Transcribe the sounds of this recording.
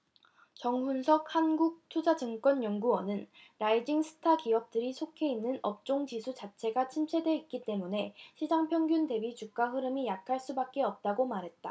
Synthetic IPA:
t͡ɕʌŋɦunsʰʌk̚hanɡuk̚tʰud͡ʑad͡ʑɯŋk͈ʌnjʌŋɡuwʌnɯnɾaid͡ʑiŋsʰɯ̥tʰakiʌp̚t͈ɯɾisʰokʰe̞inːɯnʌp̚t͡ɕ͈oŋd͡ʑisʰut͡ɕat͡ɕʰe̞ɡat͡ɕʰimt͡ɕʰe̞dwe̞it̚k͈it͈e̞mune̞ɕʰid͡ʑaŋpʰjʌŋɡjunde̞bit͡ɕuk̚k͈aɦɯɾɯmijakʰaɭs͈ubak̚k͈e̞ʌp̚t͈aɡomaɾɦe̞t̚t͈a

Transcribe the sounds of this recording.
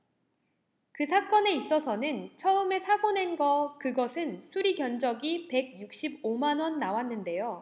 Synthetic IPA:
kɯsʰak͈ʌne̞is͈ʌsʰʌnɯnt͡ɕʰʌɯme̞sʰaɡone̞nɡʌkɯɡʌsʰɯnsʰuɾiɡjʌnd͡ʑʌɡipe̞ɡ̚juk̚ɕ͈ibomanwʌnːawanːɯnde̞jo

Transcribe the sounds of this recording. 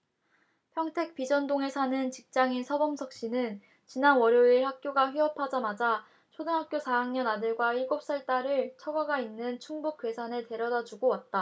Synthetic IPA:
pʰjʌŋtʰe̞k̚p͈id͡ʑʌndoŋe̞sʰanɯnt͡ɕik̚t͡ɕ͈aŋisʰʌbʌmsʰʌk̚ɕ͈inɯn | t͡ɕinanwʌɾjoiɭhak̚k͈joɡaɸɥiʌpʰad͡ʑamad͡ʑa | t͡ɕʰodɯŋɦak̚k͈josʰaɦaŋɲʌnadɯɭɡwaiɭɡop̚s͈aɭt͈aɾɯɭt͡ɕʰʌɡaɡainːɯnt͡ɕʰuŋbuk͈we̞sʰanete̞ɾjʌdad͡ʑuɡowat̚t͈a

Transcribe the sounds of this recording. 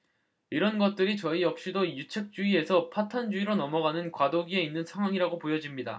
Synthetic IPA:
iɾʌnɡʌt̚t͈ɯɾit͡ɕʌijʌk̚ɕ͈idojut͡ɕʰek̚t͡ɕ͈uie̞sʰʌpʰatʰand͡ʑuiɾonʌmʌɡanɯnkwadoɡie̞inːɯnsʰaŋɦwaŋiɾaɡopojʌd͡ʑimɲida̰

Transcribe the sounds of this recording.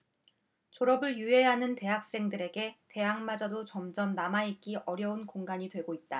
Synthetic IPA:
t͡ɕoɾʌbɯɭjue̞ɦanɯnte̞ɦak̚s͈e̞ŋdɯɾe̞ɡe̞te̞ɦaŋmad͡ʑadot͡ɕʌmd͡ʑʌmnamaik͈iʔʌɾjʌunkoŋɡaɲidwe̞ɡoit̚t͈a

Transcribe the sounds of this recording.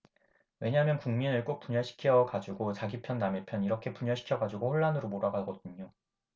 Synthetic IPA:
we̞ɲamjʌnkuŋminɯɭk͈ok̚p͈uɲaɕʰi̥kʰiʌɡad͡ʑuɡot͡ɕaɡipʰjʌnːamepʰjʌniɾʌkʰe̞puɲaɕʰi̥kʰjʌɡad͡ʑuɡoɸoɭːanɯɾomoɾaɡaɡʌdɯɲo

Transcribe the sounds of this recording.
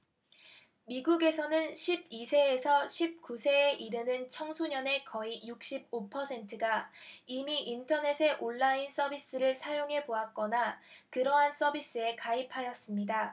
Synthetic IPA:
miɡuɡe̞sʰʌnɯnɕʰib̚isʰe̞ːsʰʌɕʰip̚kusʰe̞ːʔiɾɯnɯnt͡ɕʰʌŋsʰoɲʌne̞kʌijuk̚ɕ͈ib̚opʰʌsʰe̞ntʰɯɡaimiʔintʰʌne̞sʰe̞ʔoɭːains͈ʌbis͈ɯɾɯɭsʰajoŋɦe̞boak̚k͈ʌnakɯɾʌɦans͈ʌbis͈ɯe̞kaipʰajʌs͈ɯmɲida

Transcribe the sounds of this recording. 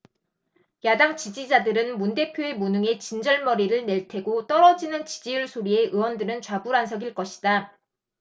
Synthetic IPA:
jadaŋt͡ɕid͡ʑid͡ʑadɯɾɯnmunde̞pʰjoe̞monɯŋe̞t͡ɕind͡ʑʌɭmʌɾiɾɯɭne̞ɭtʰe̞ɡot͈ʌɾʌd͡ʑinɯnt͡ɕid͡ʑijuɭsʰoɾie̞ʔɯwʌndɯɾɯnt͡ɕwabuɾansʰʌɡiɭk͈ʌɕʰi̥d̥a

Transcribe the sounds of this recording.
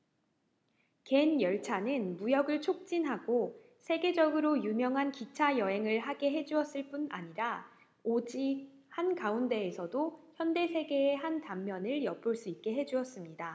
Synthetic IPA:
ke̞njʌɭt͡ɕʰanɯnmujʌɡɯɭt͡ɕʰok̚t͡ɕ͈inɦaɡo | sʰe̞ɡe̞d͡ʑʌɡɯɾojumjʌŋɦankit͡ɕʰajʌɦe̞ŋɯɭɦaɡe̞ɦe̞d͡ʑuʌs͈ɯɭp͈una̰ɲiɾa | od͡ʑi | hankaunde̞ːsʰʌdoçjʌnde̞sʰe̞ɡe̞ːɦantamːjʌnɯɭjʌp͈uɭs͈uit̚k͈e̞ɦe̞d͡ʑuʌs͈ɯmɲida

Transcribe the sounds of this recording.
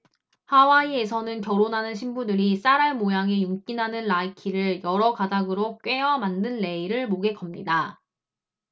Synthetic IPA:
hawaie̞sʰʌnɯnkjʌɾonɦanɯnɕʰimbudɯɾis͈aɾaɭmojaŋe̞juŋk͈inɦanɯnɾaikʰiɾɯɭjʌɾʌkadaɡɯɾok͈ɥe̞jʌmandɯnːe̞iɾɯɭmoɡe̞k͈ʌmɲida

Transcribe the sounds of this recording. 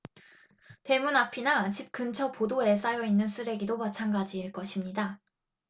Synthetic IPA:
te̞munapʰinat͡ɕip̚kɯnt͡ɕʰʌpodoe̞s͈ajʌinːɯnsʰɯɾe̞ɡidomat͡ɕʰanɡad͡ʑiːɭk͈ʌɕʰimɲida

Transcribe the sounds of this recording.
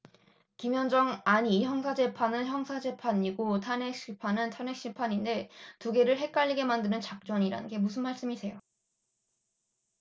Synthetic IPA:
kimjʌnd͡ʑʌŋaɲiːçjʌŋsʰad͡ʑe̞pʰanɯnçjʌŋsʰad͡ʑe̞pʰaɲiɡotʰanek̚ɕ͈ipʰanɯntʰane̞k̚ɕ͈ipʰaɲinde̞tuɡe̞ɾɯɭɦe̞k͈aʎːiɡe̞mandɯnɯnt͡ɕak̚t͡ɕ͈ʌɲiɾa̰nɯnɡe̞mus̬ʰɯnmaɭs͈ɯmisʰe̞jo

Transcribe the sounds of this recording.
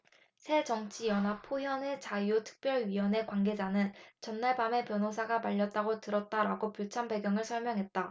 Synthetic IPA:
sʰe̞d͡ʑʌŋt͡ɕʰijʌnɦapʰojʌne̞t͡ɕajutʰɯ̥k̚p͈jʌɭɥiwʌne̞kwaŋɡe̞d͡ʑanɯnt͡ɕʌnːaɭbame̞pjʌnɦos̬ʰaɡamaʎːʌt͈̚aɡotɯɾʌt̚t͈aɾaɡopjot͡ɕʰanbe̞ɡjʌŋɯɭsʰʌɭmjʌŋɦe̞t̚t͈a

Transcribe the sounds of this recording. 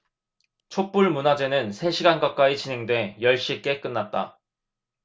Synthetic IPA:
t͡ɕʰok̚p͈uɭmunad͡ʑe̞nɯnsʰe̞ɕʰiɡankak̚k͈ait͡ɕinɦe̞ŋdwe̞jʌɭɕ͈ik͈e̞k͈ɯnːat̚t͈a̰

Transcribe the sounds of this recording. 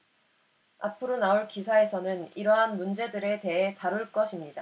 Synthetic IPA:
apʰɯɾonauɭkisʰae̞sʰʌnɯniɾʌɦanmund͡ʑe̞dɯɾe̞te̞ɦe̞taɾuɭk͈ʌɕʰimɲida

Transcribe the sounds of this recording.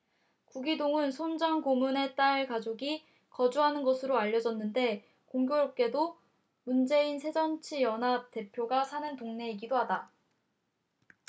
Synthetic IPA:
kuɡidoŋɯnsʰond͡ʑʌŋkomune̞t͈aɭkad͡ʑoɡi | kʌd͡ʑuɦanɯnɡʌsʰɯɾoaʎːʌd͡ʑʌnːɯnde̞ | koŋɡjoɾʌp̚k͈e̞do | mund͡ʑe̞insʰe̞d͡ʑʌnt͡ɕʰijʌnɦate̞pʰjoɡasʰanɯntoŋne̞iɡidoɦada

